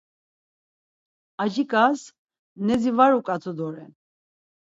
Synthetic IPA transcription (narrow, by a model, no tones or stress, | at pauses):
aʒikʼas | nɛzivaɾukʼat͡sʰud̪ɔɾɛn